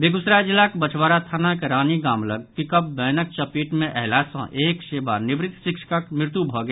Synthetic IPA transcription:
beːɡʊsɾad͡ʒɪlːakbət͡ʃʰwaːɾat̪ʰaːnakeɾaːniɡaːmləɡ̚kikəp̚bɛːnək̚t͡ʃəpiːʈmẽʔɛɦlasə̰̃ʔeːkʃeːba̰ɾnɪbɾɪt̪ːʃɪkʃə̥kakmɪɾt̪ubʱɔɡə

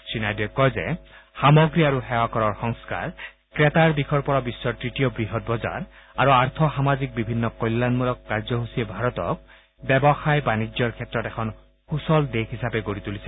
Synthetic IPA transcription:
sinajdiɔkːɔjzɛ̰xamɔɡɹiaɹuxɛwakɔɹɔɹxɔŋska̰ɹ | kɹet̪aɹd̪ikʰɔɹpɔɹabisːɔtɹitijɔbɹiɦɔt̚bɔza̰ɹ | aɹuaɹt̪ʰɔxamazik̚bibʱinːɔkɔjlːanmulɔkːaɹzɔɦusiebʱaɹɔt̪ɔ̰k̚ | bɛbɔxajbanid͡ʒjɔɹkʰɛtɹɔtɛkʰɔn | xusɔld̪ekɦisapɛɡoɹit̪ulisʰɛ

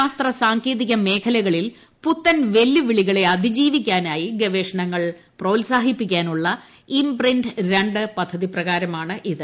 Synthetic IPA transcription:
aːst̪rɐsaːŋkeːðiɣɐme̞ːkʰɐlɐɣɐɭil | put̪ːɐnʋe̞lːuʋiɭiɣɐɭe̞ɐd̪ʱid͡ʑiːʋik̬ʲːaːnaːjiɡeʋeːʂɐɳɐŋːɐɭ | pro̞ːlsaːɦipːikʲːaːnuɭːɐ | imprindɾe̞ɳɖɨpɐd̪ʱːɐðiprɐɣaːɾɐmaːɳɨʔiðɨ

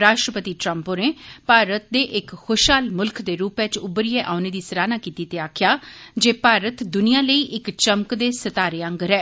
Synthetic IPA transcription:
ɾaːʃʈɾəpət̪iːʈɾəmpõːneːpaːɾət̪̚d̪eːʔɪkxoʃɦaːlmʊlkd̪eːɾuːpɛt͡ʃʊbɾieʔaːʊneːd̪iːsəɾaːnaːkiːt̪iːt̪eːaːkʰjaːd͡ʒeːpaːɾət̪d̪ʊnijãːləiːʔɪkt͡ʃəmkd̪eːsət̪aːɾeːə̃ŋɡəɾɛː

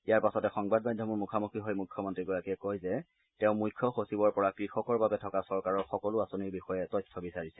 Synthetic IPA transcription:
ijaɹpasɔtɛxɔŋbad̚majdʱjɔmʊɹmukʰamukʰɹiɦɔjmujkʰjɔmɔntɹiɡɔɹakiɛkɔjzɛ | tẽʊ̃mujkʰːjɔxosibɔɹpɔɹakɹixɔkɔɹbabɛtʰɔkasɔɹkaɹɔɹxɔkɔlʊasoniɹbixɔjɛtɔjstʰɔbisaɹisɛ

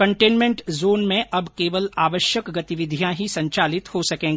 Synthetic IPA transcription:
kɐ̃ɳʈeːnmẽɳʈzoːnmẽʔɐbkeːʋəlaːʋəʃjəkɡɐt̪ɪʋɪd̪ʱijãɦisɐ̃ɲt͡ʃaːlɪt̪hosɐkẽːŋɡ

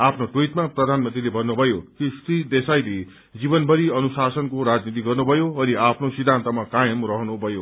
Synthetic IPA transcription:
apʰnoʈwojʈmaprʌd̪ʱanmʌ̃nt̪rilebʱʌnːubʱʌjokisrid̪esajle | d͡zibʌnbʱʌɾiʌnusasʌnkoɾad͡znit̪̬iɡʌrnubʱʌjoʌniapʰnosid̪ʱːant̪ʌmakajʌmrʌɦnubʱʌjo

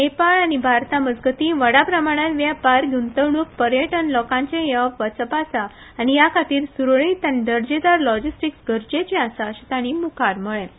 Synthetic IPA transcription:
epaɭañibʱaɾt̪aməd͡zɡət̪iʋəɽapɾəmaɽ̃ãnʋjapaɾɡʱunt̪əʋɳuk̚pəɾjəʈənlɔkãɲt͡ɕẽjəpʋət͡səpasaː | nijakʰat̪iːɾsuɾɭĩt̪ãnd̪əɾd͡ʑed̪aɾlɔd͡ʑisʈiksɡəɾd͡ʑet͡ɕeasaɕit̪aɽ̃imukʰaɾməɭẽ

